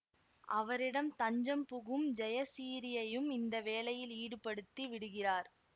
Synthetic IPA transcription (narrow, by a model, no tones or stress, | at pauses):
ʔɐʋɐɾɪɽɐmt̪ɐɲd͡ʒɐmpʊɣɯmd͡ʒɐjɐsiːɾɪjɐjɯmɪnd̪ɐʋeːlɐjɪliːɽɯpɐɽɯt̪ːiʋɪɽɯɣɪraːɾ